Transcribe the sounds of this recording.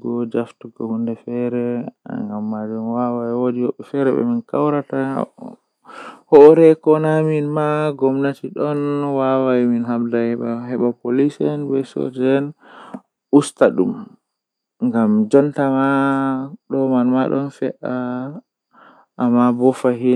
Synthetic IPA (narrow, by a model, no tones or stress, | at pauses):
ɡɔd͡ʒaftuɡɔhundɛfɛɾɛŋɡamːad͡ʒunwawajwodiwɔɓːɛfɛɾɛ̰ɓɛ̰minkawɾata | hɔɾɛkɔnaminmaɡɔmnatiɗɔnwawaminɦabdahɛɓahɛɓapolisɛnbɛso̰d͡ʒɛn | ʔustaɗṵm | ŋɡamd͡ʒɔntama | ɗɔmanmaɗɔ̰nfɛʔa | ʔːmːabɔfaɦi